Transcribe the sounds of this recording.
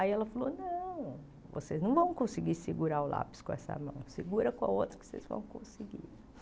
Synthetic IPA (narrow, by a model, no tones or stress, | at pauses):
aiɛlɐfalonɐ̃w̃ | vo̰seznɐ̃w̃vɐ̃w̃kõsɪɡiɾsɪɡuɾaʊlʔa̰pɪ̥skõɛsɐ̰mɐ̰̃w̃siɡuɾɐkõa̰ot̪ɾɐ̥kɪ̥osḛzvɐ̰̃w̃kõ̰siɡḭɾ